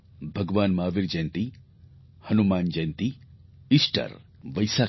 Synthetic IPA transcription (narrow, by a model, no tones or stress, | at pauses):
bʱɐɡʋaːnmaːʋiɾd͡ʒɐjnt̪i | hɐnumaːnd͡ʒɐjnt̪i | isʈɐ̰ɾʋɐjsaː